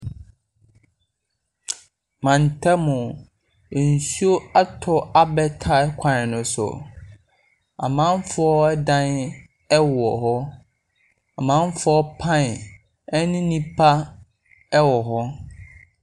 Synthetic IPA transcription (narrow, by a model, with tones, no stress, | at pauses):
mã˨n̩˨tʰɛ˦mʊ̃˨ | n̩˨su˦o˦a˦tʰɔ˦a˦bɛ˦tʰa˨˦kʷʰã˨nɪ˨nʊ̃˨sʊ̰˨ | a̰˨mã˦m˦fʊ˦ɔ˦ɛ˦dã˦n | ɛ˦wɔ˨ɦɔ˦ | a˨mã˦m˦fɔ˦pʰã˦n˨ | ɛ˦nɪ̃˦nĩ˦pʰa˦ | ɛ˦wɔ˨ɦɔ˦